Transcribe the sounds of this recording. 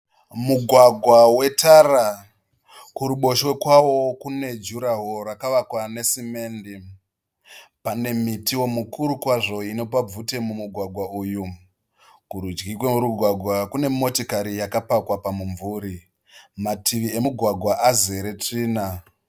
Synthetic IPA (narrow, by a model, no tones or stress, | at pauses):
muɡʱwaɡʱwawe̞tʰara | kuɾuɓo̞ʃwekwawo̞kune̞d͡ʒuɾaɦoɾakaʋakwane̞sime̞ːndi | pane̞mitiwo̞mukuɾukwaʐo̞ino̞pab͡vute̞mumuɡʱwaɡʱwauːju | kuɾud͡ʒɡik̬wemuɾuɡʱwaɡʱwakune̞mo̞tokaɾijakapakwapamuɱvuːɾi | matʰiʋie̞muɡʱwaɡʱwaʔaze̞ɾe̞tiːna